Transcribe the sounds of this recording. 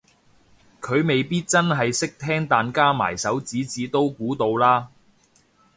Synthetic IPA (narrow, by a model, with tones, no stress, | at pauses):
kʰɵ˨˧ɥme˨jpiː˥t̚t͡sɐ˥nɦɐ˨jsɪ˥k̚t̪ʰɛː˥ŋt̪aː˨˧nkaː˥ma̰ː˨˩jsɐ˨˥wt͡siː˨˥t͡siː˨˥t̪o˥wkuː˨˥t̪o˧wlaː˥